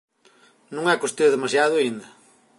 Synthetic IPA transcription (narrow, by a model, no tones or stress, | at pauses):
nũŋɛkost̪iɐðemasjaðʊaĩnd̪ɐ